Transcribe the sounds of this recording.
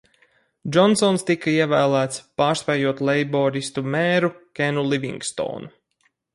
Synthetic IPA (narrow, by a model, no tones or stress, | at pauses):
d͡ʒɔnsɔnst̪ikaiɛvæːlˠæːt̪spaːɾspʲɛjuɔt̪lɛjbɔɾist̪umeːɾukʲenulˠivʲḭŋɡst̪ɔ̰ːnu